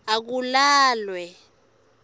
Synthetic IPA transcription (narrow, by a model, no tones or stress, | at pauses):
ak̬ulaːlwɛ